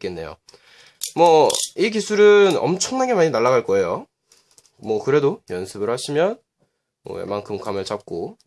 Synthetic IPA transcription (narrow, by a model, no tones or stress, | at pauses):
k͈enːe̞jo̰ | mwʌik̬isʰuɾɯnʌ̰mt͡ɕʰʌŋnaɡe̞maɲinaɭːaɣaɭk͈ʌe̞jo | mwʌkɯɾe̞dojʌnsʰɯbɯɭhaɕʰimjʌn | mʌ̰wḛmankʰɯmkʰamɯɭt͡ɕap̚k͈o